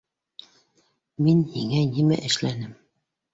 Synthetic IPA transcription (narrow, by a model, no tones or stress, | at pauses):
minhiŋænimæ̰ʔɘ̆ʃlænɘm